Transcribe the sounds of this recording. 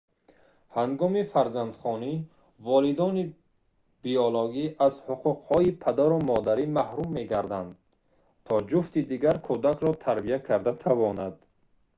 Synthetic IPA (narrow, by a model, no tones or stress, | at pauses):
haŋɡɔmifaɾzand̪χɔni | vɔlid̪ɔni | b̥iɔloɡiʔazhuqʰuqhɔipʰad̪aɾumɔd̪aɾimahɾumːe̞ɡaɾd̪and̪ | t̪ʰɔd͡ʒuft̪id̪iɡaɾkʰud̪akʰɾɔt̪ʰaɾbiakʰaɾd̪at̪ʰavɔnad̪̥